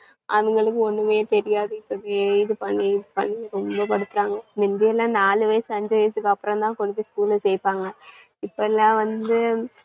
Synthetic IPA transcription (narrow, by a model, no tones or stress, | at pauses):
ɐ̰ðuŋɡɐɭɯkːɯonːɯmeːɾt̪eɾɪjaːðɨipːɐʋeːiðɯpɐɳːipɐ̰ɳːiɾombɐpɐɽɯt̪ːɯɾaːŋɡɐmind̪ɐɛlːãːnaːlɯʋɐjɐsɨɐɲd͡ʑɐʋɐjɐsɯkːɐpːɾɐmd̪ãːŋkoɽipːiskuːlɨsejpːaːŋɡɐ | ipːoːɛlːãːʋɐnd̪ɯ